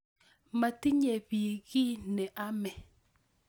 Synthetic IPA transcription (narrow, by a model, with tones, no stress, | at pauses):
ma˨ti˦ɲe˨bi˨ɣɪ˦nɛ˨ʔa˦mɛ˨